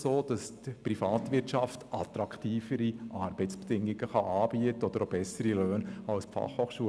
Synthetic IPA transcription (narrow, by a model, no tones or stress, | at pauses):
soːd̥ɑstprifɑːt̪ʋɪrtt͡ʃɑftʔɑt̪ɾɑkχtiːfəɾiʔɑːɾbəɪtsb̥ɛd̥ɪŋːɪɡ̥əχɑʔɑːbiətəɔd̥̪əɾobɛsəɾiløːnɑlspfɑ̰χhoːχʃuə